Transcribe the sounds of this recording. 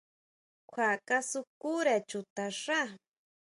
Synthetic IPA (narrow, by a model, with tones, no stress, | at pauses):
kʷʰwa˨ka˦sʊkuɾa˨t͡ʃʊt̪a˨ʂa˦